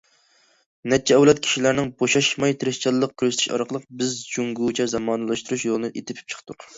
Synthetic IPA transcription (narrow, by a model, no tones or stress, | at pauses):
nɛt͡ʃʰːɛɛwlˠɛt̪̚kʲʰi̥ʃilæɾnɪŋboʃɑʃmɑjt̪ʰɪɾɪʃt͡ʃʰɑlˠːəq̚kʲʰøɾzɪt̪ʰɪ̥ʃɑ̰ɾqʰəlˠəqbɪzd͡ʒuŋɡut͡ʃʰɛzɑmɑːnɨlˠɑʃt̪uɾuʃjolˠɨnɨʔet̪ʰɪpʰɪ̥p̚t͡ʃʰə̥qʰt̪ʊq